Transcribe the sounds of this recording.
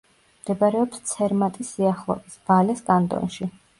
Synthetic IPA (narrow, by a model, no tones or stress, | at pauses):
md̪̥ɛbaɾɛɔpst̪sʰɛɾmat̪ʼisːiaχlˠɔ̰visb̥alɛskʼant̪ʼɔ̰nʃi